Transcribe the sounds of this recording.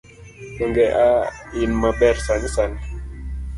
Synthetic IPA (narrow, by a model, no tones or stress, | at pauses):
ɓəŋɡɛʔainmaɓɛɾsansan